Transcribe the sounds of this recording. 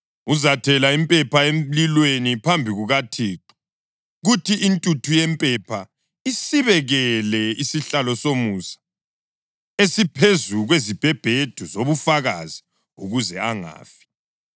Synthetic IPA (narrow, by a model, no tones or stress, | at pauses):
uzatʰɛlaimpʼɛpʰaemlilwenipʰambʱiɣuɣatʰiːǃɔ̥ | ɣutʰiʔintʼutʰujɛmpʼɛpʰa | isiβɛɣɛlɛisiɬalɔsomusḁ | esipʰezuɣwezib̥ʱɛb̥ʱed̥ʱuzoβufaɣazi | ṵɣuzɛaŋa̰ːfi̥